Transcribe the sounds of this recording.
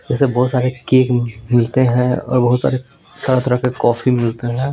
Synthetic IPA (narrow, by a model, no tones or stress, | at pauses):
d͡ʒɛːsebɔːt̪saːɾekeːkmɪlt̪eɦɛ̃ɔ̰ːɾbɐɦʊt̪sa̰ːɾe | t̪ɐɾə̃t̪ɾəkekɔːfimɪlt̪eɦɛ̃ː